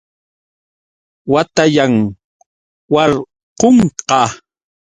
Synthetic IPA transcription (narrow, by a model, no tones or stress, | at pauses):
wat̪ajaŋ | wɑɾ | qoɴqɑ